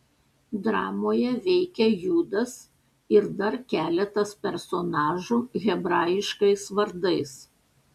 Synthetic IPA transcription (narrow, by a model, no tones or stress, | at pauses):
d̪ɾɑːmoːjɛʋʲɛɪkʲɛjuːd̪ɐs | ɪɾd̪ɐɾkʲæːlʲɛt̪ɐspʲɛɾsɔnɑːʒuːɣʲɛbɾɑːjɪʃkɐɪsʋɐɾd̪ɐɪs